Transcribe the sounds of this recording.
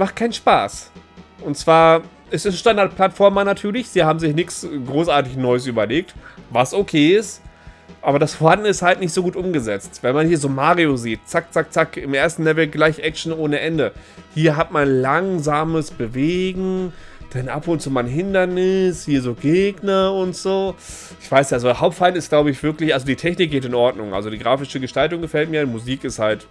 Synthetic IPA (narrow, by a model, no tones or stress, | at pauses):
maχt̚kʰaɪnʃpa̰ːsʔʊntt͡sv̥aːɐ | ɛsɛsʃtandaɐt̚pʰl̥atfɔɐmanatʰyːɐlɪçz̥iːɐhaːbm̩zɪçnɪçsɡʁoːsʔaːɐtɪçnɔʏəs̬ʔyːbɐleːk̚tvasokʰeːɪstʔaːbɐdasfoːɐhandn̩ɪsthaltnɪçtz̥oːɡuːtʔʊmɡəzɛt͡stv̥ɛnmanhiːɐzoːmaːʁioziːt̚t͡sak̚t͡sak̚t͡sakɪmʔeːɐstn̩lɛvl̩ɡlaɪçʔɛk̚ʃn̩oːnəʔɛndəhiːɐɦatmanlaŋzaːməsb̥əveːɡŋ̩d̥ɛnʔa̰pʊntt͡suːmanɦɪndɐnɪshiːɐzoːɡeːɡnɐʊntz̥oː | ɪçv̥aɪsjazoɐɦaʊp̚tfaɪntɪstɡ̥laʊbəɪçv̥ɪɐklɪçʔalzodiːtʰɛçnɪk̚ɡ̥eːtɪnʔɔɐdnʊŋʔa̰lzodiːɡʁaːfɪʃəɡəʃtaltʊŋɡəfɛlt̚miːɐdimuziːkɪsthalt